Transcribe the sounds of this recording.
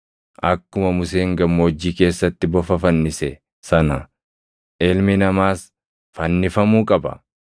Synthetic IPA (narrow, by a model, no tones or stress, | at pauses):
ʔɐkːʊmɐmʊseːŋɡɐmːoːd͡ʒːiːke̞ːsːɐt̪ːɪbɔfɐfɐnːɪsɛ | sɐnɐ | ʔɪlmɪnɐmaːs | fɐnːɪfɐmuːkʼɐbɐ̰